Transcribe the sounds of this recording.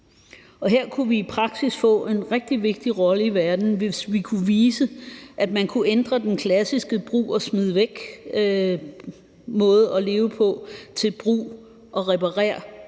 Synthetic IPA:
ɒ̽ɦeɐ̰kʰuʋiːpʰʁɑ̈ɡ̥sisfɔ̰̽ːe̝nʁɛɡ̥̚d̥iʋe̝ɡ̥̚d̥iʁɒ̽ləiʋæɐd̥n̩ʋe̝sʋikʰuʋiːsəʔæd̥mænkʰuʔend̥ʁɐd̥enkʰlæsisɡ̥əb̥ʁṵːɒsmið̞ˠʋeɡ̥ | mɔ̽ːð̩ˠɒ̽le̝ːʊəpʰɒ̽t͡sʰe̝lb̥ʁṵː | ʔɒ̽ʁɛpʰɑ̈ʁɛ̰ːɐ

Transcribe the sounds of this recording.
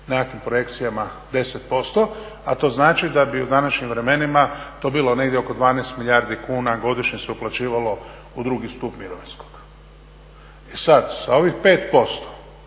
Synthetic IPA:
nekakʋimpɾo̞je̞kt̪sijamad̪e̞set̪̚po̞st̪o̞ | at̪o̞ːznaːt͡ʃid̪abiud̪anaʃɲimʋɾe̞me̞nimat̪oːbiːlo̞ne̞ɡd̪jeo̞ko̞d̪ʋaːneːst̪milʎʲjaːɾd̪ikuːnaɡo̞d̪iʃɲeseuplat͡ɕiːʋalo̞ | ud̪ɾuːɡist̪uːpmiɾoʋinskoɡ̥ | esad̪sao̞ʋixpe̞ːt̪po̞st̪o̥

